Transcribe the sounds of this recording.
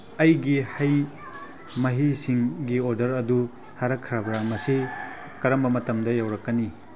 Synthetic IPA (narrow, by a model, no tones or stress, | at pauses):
ɐjɡihɐj | mɐɦisiŋɡioɾdɐɾɐdu | haɾɐkʰɾabɾamɐsi | kɐɾɐmbɐmɐtɐmdɐjawɾɐkːɐni